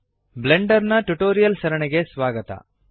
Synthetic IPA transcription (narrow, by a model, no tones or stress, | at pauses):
bleɳɖɐɾnɐʈuʈoːɾijɐlsɐɾɐɳeɡe̞sʋaːɡɐt̪ɐ̰